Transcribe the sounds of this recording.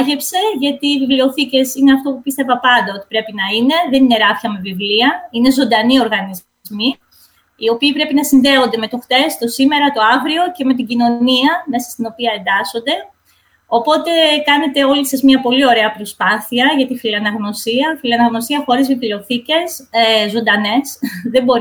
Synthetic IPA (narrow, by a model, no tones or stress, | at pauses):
ʝepse̞ʝɐt̪iːvivlio̞θice̞sine̞ɐft̪o̞pupist̪e̞vɐpɐnd̪ɐo̞t̪i̥pɾe̞pinɐine̞ðe̞nine̞ɾɐfçɐme̞vivliɐine̞zo̞nd̪ɐnio̞ɾɣɐniz | zmi | io̞piːpɾe̞pinɐsinðe̞o̞nd̪e̞me̞t̪uxt̪e̞st̪o̞sime̞ɾɐt̪o̞ɐvɾio̞ce̞me̞t̪iɟino̞niɐme̞sɐst̪ino̞piɐe̞nd̪ɐso̞nd̪e̞ | o̞po̞t̪e̞kɐne̞t̪e̞o̞lisɐzmɲɐpo̞lio̞ɾe̞ɐpɾo̞spɐθiɐʝɐt̪ifilɐnɐɣno̞siɐfiliɐnɐɣno̞siɐxo̞ɾizvivlio̞θice̞sezo̞nd̪ɐne̞sðe̞bo̞ɾ